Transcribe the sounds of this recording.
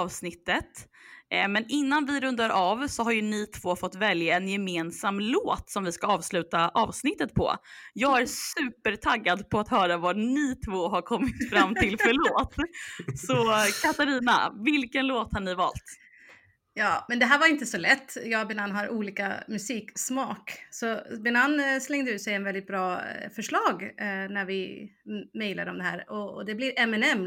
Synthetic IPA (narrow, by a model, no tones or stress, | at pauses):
ɑːvsnɪt̪ːət̪ | mɛnɪnːanvɪɾɵnd̪aɾʔɑːvsɔɦaɾjɵnɪt̪ʰvoːfɔt̪ːvɛljaɛnjɛmeːnsamːloːt̪sɔmvɪskaɑːvslʉ̟ːt̪aʔɑːvsnɪt̪ːət̪̚pʰɔ̰jɑːɡæɾsʉ̟ːpəɾʈʰaɡːad̪pʰɔat̪hœːɾavanɪt̪ʰvoːɦaɾkʰɔmːɪt̪fɾamːt̪ʰɪlfœɭoːt̪sɔkʰat̪aɾiːna̰vɪlkənloːt̪haɳɪvɑ̰ːlt̪ | jɑːmɛnd̪ɛɦæːɾvaɾɪnt̪əsɔlɛt̪ːjɑːɡbɛnanːɦaɾʔuːliːka̰mɵsiːksmɑːksɔbɛnanːslɛŋd̪əʉ̟ːt̪sɛjɛnvɛld̪ɪt̪̚bɾɑːfœʂɭɑːɡnæɾvɪ | mɛjlad̪ɔmd̪ɛɦæ̰ːɾɔd̪ɛblɪɾʔɛmɛnɛmː